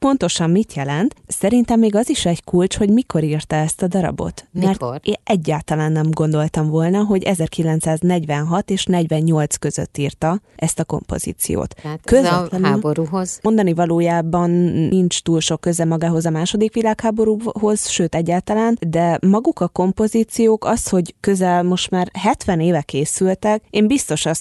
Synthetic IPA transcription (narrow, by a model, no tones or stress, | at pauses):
po̞nt̪o̞ʃɒmmit̪jɛlɛnt̪sɛɾint̪ɛmːeːɡɒziʃɛɟkult͡ʃho̞ɟmikʰo̞ɾirt̪ɒɛst̪ɒd̪ɒɾɒ̰bo̞̰t̪mɛrt̪eːʔɛɟːaːlt̪ɒlaːnːɛmɡo̞nd̪o̞lt̪ɒɱvo̞lnɒɦo̞ɟɛzɛrkilɛnt̪saːznɛɟʋɛnɦɒt̪eːʃnɛɟʋɛɲɲo̞lt̪skø̞zø̰t̪ːiːrt̪ɒɛst̪ɒko̞̰mpo̞̰z̥ḭːt̪sḭjo̰ːt̪køzɛlnɛnboɾuɦozmo̞nd̪ɒnivɒloːjaːbɒnint͡ʃt̪uːlʃo̞kːøzɛmɒɡaːɦo̞zɒmaːʃo̞d̪ikʋilaːkhaːbo̞ɾuːɦo̞z̥ʃøːt̪ɛɟːaːlt̪ɒlaːnd̪ɛmɒɡukɒko̞mpo̞ziːt̪sijoːkɒsho̞ɟkø̞zɛlmo̞ʃt̪maːrɦɛt̪ʋɛneːvɛkeːsylt̪ɛkeːmbist̪o̞ʃɒs